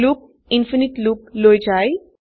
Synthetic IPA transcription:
luk̚ | infinit̪luklojd͡ʒaj

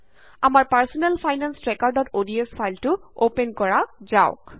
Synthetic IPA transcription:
amaɹpaɹsɔnɛlpʰajnansɹɛkaɹdɔtodiespʰajltʊopenkɔɹazaʊk

